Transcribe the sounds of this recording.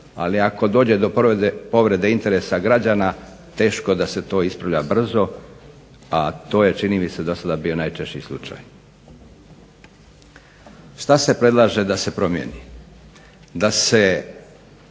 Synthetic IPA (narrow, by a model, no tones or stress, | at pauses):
a̰liako̞d̪o̞ːd͡ʑe̞d̪o̞ppo̞ʋɾe̞d̪e̞int̪e̞ɾesaɡɾad͡ʑana | t̪e̞ːʃko̞d̪ase̞t̪o̞ːispɾaʋʎabr̩zo̞ | at̪o̞ːje̞t͡ʃiniːmised̪o̞sad̪abio̞najt͡ʃeʃt͡ɕislˠṵt͡ʃa̰j | ʃt̪ase̞pɾe̞d̪lˠaːʒe̞d̪ase̞pɾo̞mjḛni | d̪ase̞